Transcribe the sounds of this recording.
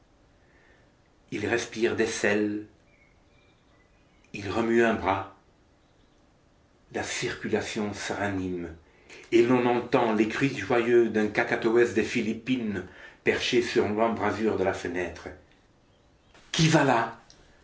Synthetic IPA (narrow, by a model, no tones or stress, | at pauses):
ilʁɛspiʁd̪esɛl | ilʁəmyɛ̃bʁa | lasiʁkʲylasjɔ̃səʁanim | elɔ̃nɑ̃t̪ɑ̃lekχɥiʒwajød̪ɛ̃kakat̪oɛsd̪efilipinpɛʁʃesyʁlɑ̃bʁazyʁd̪əlafənɛt̪χə | kʲivala